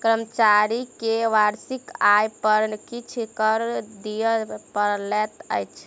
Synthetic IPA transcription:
kɾəmət͡ʃaɾikeʋaɾsikajpəɾnkit͡ʃʰikəɾd̪ijəpəɾlɛt̪ə̰jt͡ʃʰ

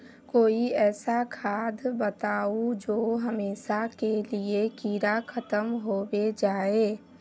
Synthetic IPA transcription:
koːiɛːsakʰaːd̪ʱbət̪aːud͡ʒoːɦəmeːʃakeliekiːɾakʰət̪əmɦoːwed͡ʒaːeː

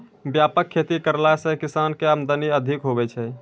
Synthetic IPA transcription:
bjapəkʰːet̪ikəɾlasə̃kisankeamd̪əniəd̪ʱikɦoβɛt͡ʃʰɛ

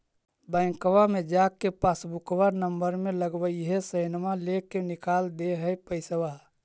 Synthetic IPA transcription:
bəɪ̃ŋkʋamẽd͡ʒaːkːepasbukwanəmbəɾmẽləɡbəiɦesəɪnmalekːenɪkaːld̪eɦəjpəɪsəwa

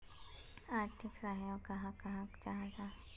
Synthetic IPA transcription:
aːɾt̪ʰɪksaɦokɐɦãkɐɦãt͡ʃaɦãt̪a

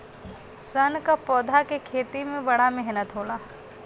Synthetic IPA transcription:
sɐnkapɔːd̪ʱakekʰeːt̪imẽbɐɽamɛɦnət̪ɦoːlaː

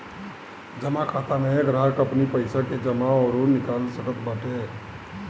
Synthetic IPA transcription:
d͡ʒəmakʰat̪ameɡɾəkəpnipəɪsaked͡ʒəmaɔɾonɪkalsəʈəkbəʈe

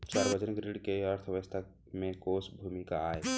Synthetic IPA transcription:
t͡ʃaɾbəd͡ʒənɡɾiɽkeəɾt̪ʰəʋst̪ʰa | mekosbʱumikaːe

